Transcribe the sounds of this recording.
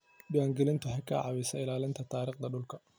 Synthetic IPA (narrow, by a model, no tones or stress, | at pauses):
dɪjaːŋɡɛlɪnt̪ʰʊħɛjkʰɐʕɑβɪsɐɪlaːlɪnt̪ʰɐt̪ʰaːɾiːχd̪ɐɖʊlkʰɐ